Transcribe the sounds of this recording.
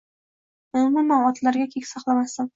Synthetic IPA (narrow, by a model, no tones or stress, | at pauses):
ʊmʊmanɒt̪laɾɡʲakʲʰekʲsɑqlˠamasɪn